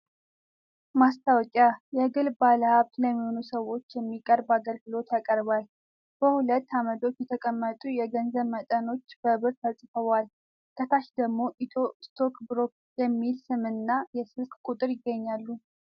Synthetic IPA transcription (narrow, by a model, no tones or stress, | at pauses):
mast̪ʰawt͡ʃʼajɛɡɨlbaləhaβt̪ləmːiho̞nusəwo̞t͡ʃːjɛmːikʼəɾbaɡəlɡɨlo̞t̪jakʼəɾbal | b̥əhulət̪ːamət̪ʰo̞t͡ʃːjɛt̪ʰəkʼəmːət̪ʼujɛɡənzəβmət̪ʼəno̞t͡ʃːb̥əβɨɾt̪ʰasʼfəβal | kʰət̪ʰaʃd̪əɡmo̞ʔit̪ʰost̪ʰo̞kʰbɾo̞k | jɛmːilsɨmɨnːajɛsɨlkʼkʼut̪ʼɨɾjɪɡːəɲːalːu